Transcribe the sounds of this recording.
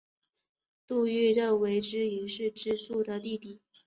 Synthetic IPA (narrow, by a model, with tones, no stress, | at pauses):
t̪u˥˩˧y˥˩də˥˩we˧˥ɪʈ͡ʂɻ̩˥i˧˥ŋʂɻ̩˥˧ʈ͡ʂɻ̩˥˧su˥˩d̪ə˨t̪i˥˧t̪i˥˩